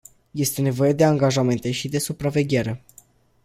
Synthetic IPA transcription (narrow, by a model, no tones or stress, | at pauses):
je̞st̪e̞ne̞vo̞je̞d̪e̞aŋɡaʒame̞nt̪e̞ʃid̪e̞supɾave̞ɡʲe̞ɾe̞